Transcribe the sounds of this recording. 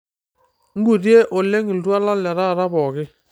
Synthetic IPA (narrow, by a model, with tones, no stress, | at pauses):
ŋ̩˦ɡu˨ɾje˦ʔo˨le˦ŋi˨ldwa˦la˦lɛ˨ɾa˦˨ɾa˦bɔ˨kɪ˦